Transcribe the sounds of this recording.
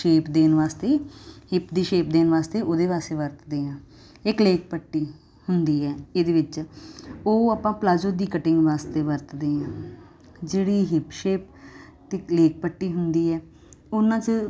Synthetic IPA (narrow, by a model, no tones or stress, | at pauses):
ʃeːpd̪eːnʋaːst̪eːɦɪpd̪iːʃeːp̚d̪eːnʋaːst̪eːʔoːd̪eːʋaːst̪eːʋəɾt̪d̪eːãː | ɪkleːk̚pəʈːiː | hʊnd̪iːɛːeːd̪eːʋɪt͡ʃ | oːaːpãːplaːd͡ʒoːd̪iːkəʈɪŋɡʋaːst̪eːʋəɾt̪d̪eːãː | d͡ʒeːɽiːɦɪpʃeːp̚ | t̪eleːk̚pəʈːiːɦʊnd̪iːɛː | ʊnãːt͡ʃ